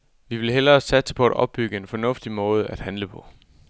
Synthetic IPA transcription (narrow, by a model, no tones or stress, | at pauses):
ʋiʋe̝lɦel̰ɐːsæd̥sə̥pʰɒ̽æd̥ɒ̽b̥̚ːyɡ̥əe̝nfɒ̽nɔ̽fd̥imɔ̽ːð̞ˠəæd̥hænləpʰɒ̽